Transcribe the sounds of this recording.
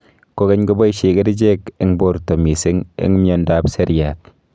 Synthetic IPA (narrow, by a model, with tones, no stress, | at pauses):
ko˦ke˦ɲko˦bɔ˦i˦ʃe˨ke˦di˦d͡ʒe˦kɪ˦ŋbo˦˨ɾto˨mi˨sɪ˦ŋɪ̰˦ŋmjɔ˨nda˦pse˦ɾja˨t̚